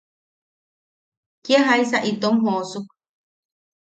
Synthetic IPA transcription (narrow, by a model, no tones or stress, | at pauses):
kjaɦajsaʔit̪omɦoosuk̚